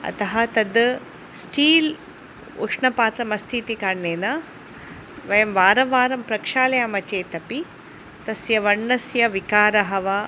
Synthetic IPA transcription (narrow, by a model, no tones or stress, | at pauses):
ɐ̰t̪ɐɦɐt̪ɐd̪ | sʈʰiːl | ṵʂɳɐpaːt̪ɐmɐst̪ʰiːt̪ikaːɳːeːnɐ | ʋɐjɐmʋaːɾɐʋaːɾɐmpɾɐkʂaːlɐjaːmɐt͡ʃeːt̪ɐpi | t̪ɐsjɐʋɐɳːɐsjɐʋikaːɾɐɦɐʋɐ